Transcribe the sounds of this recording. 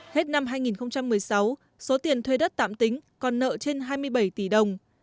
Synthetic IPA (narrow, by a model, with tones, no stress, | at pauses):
he˦˥t̚na˧mɦaː˧jŋi˨˩nxə˧wŋ͡mt͡ɕa˧mːɨ˨˩əjsa˨˦w | so˨˦t̪i˨˩ənt̪ʰwe˧ɗə˦˥t̚t̪a̰ː˧˨mt̪ï˨˦ŋ̟kɔ˨˩nːə̰ː˧˨t͡ɕe˧nɦaː˧jmɨ˧əjɓə˧˩jt̪i˧˩ɗə˨˩wŋ͡m